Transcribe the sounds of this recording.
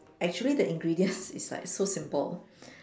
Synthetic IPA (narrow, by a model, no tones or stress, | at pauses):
ʔɛk̚t͡ʃuəlidəʔĩŋɡɹidiə̃nsɪsa̰sosɪ̃mpə̰l